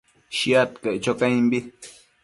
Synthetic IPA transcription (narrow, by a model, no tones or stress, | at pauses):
ʃiat̪keʔt͡ʃokãĩmbi